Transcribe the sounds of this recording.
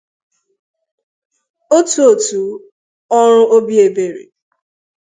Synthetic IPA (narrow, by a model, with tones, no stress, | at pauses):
o˦tu˨˦o˨tu˨ | ɔ˦ɾ̃ʊ˦ʔo˦bi˦e˨be˨ɾḛ˨